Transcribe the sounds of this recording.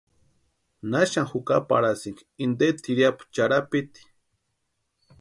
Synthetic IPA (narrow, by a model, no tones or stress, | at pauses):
naʃaŋxuka̰pa̰ɾasiŋɡ | ind̪et̪iɾjapu̥t͡ʃaɾapit̪i̥